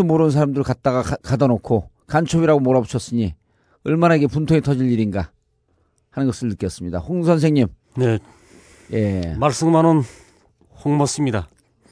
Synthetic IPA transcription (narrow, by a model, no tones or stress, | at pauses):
omoɾɯnsʰaɾamdɯɭkat̚t͈aɡakadʌnokʰo | kant͡ɕʰobiɾaɡomoɾabuɕʰʌs͈ɯɲi | ɯɭmanaɡe̞puntʰoŋetʰʌd͡ʑiʎiɾinɡa | hanɯnɡʌs͈ʰɯɭnɯk͈jʌs͈ɯmɲida̰ɸoŋs̬ʰʌnsʰeŋɲim | ne̞ | je̞maɭs͈ɯŋmanɯn | hoŋmʌs͈ɯmɲida